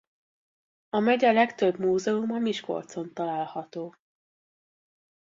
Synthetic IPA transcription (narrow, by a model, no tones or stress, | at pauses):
ɒmɛɟɛlɛkt̪øbmuːzɛumɒmiʃko̞̰lt̪so̞nt̪ɒlaːlhɒt̪oː